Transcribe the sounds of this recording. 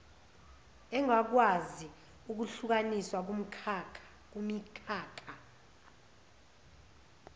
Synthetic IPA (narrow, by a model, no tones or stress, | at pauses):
ɛŋak̬wazi | uk̬uɬuk̬aniswak̬um̩kʰː | k̬umikʰaːkʰʼa